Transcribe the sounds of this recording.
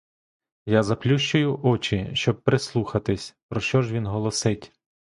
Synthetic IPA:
jazɐplʲuʃt͡ʃʊjʊʔɔt͡ʃiʃt͡ʃɔb̚pɾeslˠuxɐt̪ɪsʲpɾɔʃt͡ʃɔʒʋʲinɦɔlˠɔsɪtʲ

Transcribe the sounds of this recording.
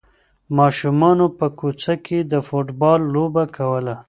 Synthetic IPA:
mɑʃumɑnopəkut͡sakʰed̪əfoʈbɑlːobakʰawəla

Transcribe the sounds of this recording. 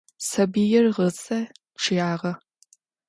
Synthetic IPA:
sɐbiːjɛrʁət͡sʼɐ | ʈ͡ʂʰɪjaːʁɐ

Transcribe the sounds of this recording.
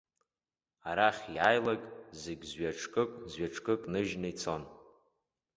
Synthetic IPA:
aɾaχʲiajlakʼzeɡʲzɥaʈ͡ʂʰkʼɨkʼzɥaʈ͡ʂʰʼkʼɨkʼnɨʒnɨit͡sʰo̞n

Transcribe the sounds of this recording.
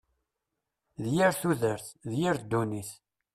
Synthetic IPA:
ðjəɾθuðəɾθðjəɾd̪ːuniθ

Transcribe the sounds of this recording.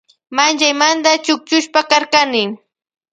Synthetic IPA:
mant͡ʃajmand̪at͡ʃʊk̚t͡ʃʊʃpakaɾkanɪ

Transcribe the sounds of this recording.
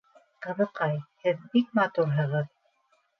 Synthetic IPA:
qɤ̆βɤ̆qɑjhɘðbik̚mɑt̪uɾɦɤ̆ʁɤð

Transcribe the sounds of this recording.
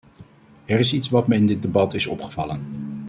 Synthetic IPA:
ɛrɪsitsʋɑtməɪndɪd̚debɑtɪsɔ̰pχə̥v̥ɑlən

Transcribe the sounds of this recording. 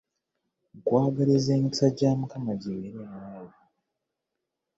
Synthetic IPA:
kwaːɡalezeːmisaɟaːmukamaɟeːɾeɾemaːji

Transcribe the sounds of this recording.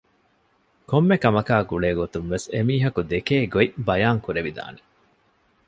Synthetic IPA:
komːekɐmɐkaːɡuɭeːɡot̪unʋesemiːɦɐkud̪ekeːɡoibɐjaːŋkuɾeʋid̪a̰ːne

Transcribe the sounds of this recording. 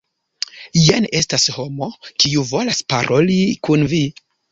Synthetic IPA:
jene̞stasho̞mo̞kiuvo̞laspa̰ɾʔo̞likunvi

